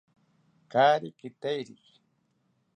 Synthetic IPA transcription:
kaːɾɪkɪt̪ajɾik

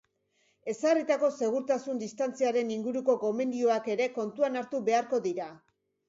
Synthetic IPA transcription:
e̞sarit̪ako̞se̞ɣ̞uɾt̪asund̪ist̪ant͡siaɾe̞niŋɡuɾuko̞ko̞me̞nd̪io̞ake̞ɾe̞ko̞nt̪uanaɾt̪uβe̞aɾko̞ðiɾa

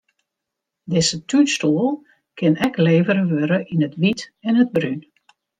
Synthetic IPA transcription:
dɪzətʰystuəlˠ | kʰɪnɛkleːvəɾəʋøɾəʔinətʋitɛnəd̚bryn

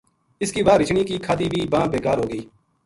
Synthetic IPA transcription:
ɪskiːʋaːɾɪt͡ʃɳiːkiːkʰaːd̪iːbʱiːbãːbeːkaːɾɦoːɡəiː

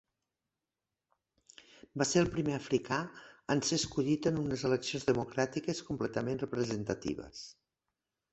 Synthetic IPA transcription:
baseɾəlˠpɾimeəfɾikʰaənseskuʎit̪ənunəzələksionzðəmukɾat̪ikəskumplɛt̪əmenrəpɾəzənt̪ət̪ḭβə̰s

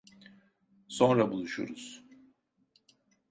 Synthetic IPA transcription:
so̞nɾabulˠuʃṵɾuz̥

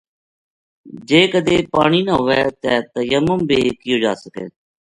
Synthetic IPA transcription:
d͡ʒeːkəd̪eːpaːɳiːnəɦʊʋɛːt̪ɛːt̪əjəməmbʱiːkɪjõːd͡ʒaːsəkḛː

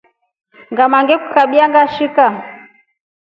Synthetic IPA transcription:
ŋɡamaŋɡɛkukaɓiaŋɡaʃika

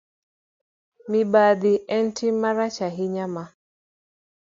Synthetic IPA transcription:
mibad̪iʔɛntʰimaɾat͡ʃaɦiɲama

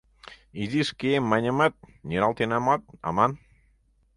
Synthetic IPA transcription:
iðiskemaɲəmət̪̚ɲiɾalˠt̪enamɔt̪̚a̰man

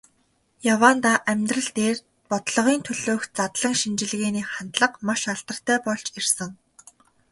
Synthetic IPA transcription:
jawaːnt̪aːʔæmʲt̪rə̆ɮt̪eːr | pɔt̪ɮɞ̆ʁiːnt̪ʰɵɮoːxt͡sat̪ɮə̆ŋʃint͡ɕɪ̆ɮɣeːniːχant̪ɮə̆qmaʃaɮt̪ə̆r̥t̪ʰæːpɔɮt͡ɕirsə̆ŋ

